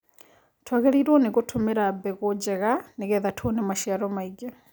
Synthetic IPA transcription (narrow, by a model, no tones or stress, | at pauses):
tʰwoɣeliɾwoneɣutʰumeɾabeɣud͡ʒeɣaneɣeːðatʰonemaʃaɾomaiɡe